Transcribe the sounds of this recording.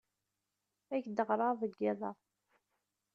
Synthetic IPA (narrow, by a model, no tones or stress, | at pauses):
æçd̪əʁɾˤɑvˤəɡːɪðˤɑ